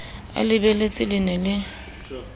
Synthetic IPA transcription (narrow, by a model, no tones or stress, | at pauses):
a̰lɪbelet͡sʼɪlɪnɛlɪ